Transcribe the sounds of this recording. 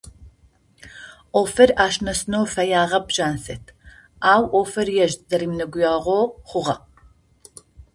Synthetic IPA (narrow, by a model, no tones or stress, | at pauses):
ʔoːfɐraːʃnɐsɨnowfɐjaːʁɐbʒ̥aːnsɐtʰ | aːwʔoːfɐrjɛʒzɐɾiːmnɐɡʷʊjaːʁʷoːχʷʊʁɐq